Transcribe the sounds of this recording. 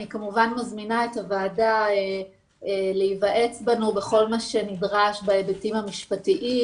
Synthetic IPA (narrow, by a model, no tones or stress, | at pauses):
nikamuvanmazminae̞tavaːdae | eleivaʔe̞t͡sbanube̞χo̞lmaʃe̞nidʁaʃbaebetimhamiʃpatiʔi